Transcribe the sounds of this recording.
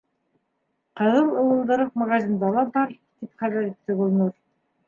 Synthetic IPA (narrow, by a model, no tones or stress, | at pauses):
qɤ̆ðɤlˠɤ̆wɤ̆lˠd̪ɤ̆ɾɤq̚mɑʁɑzʲind̪ɑlˠɑbɑɾ | t̪ipχæβæɾit̪ːɘɡŏlˠnuɾ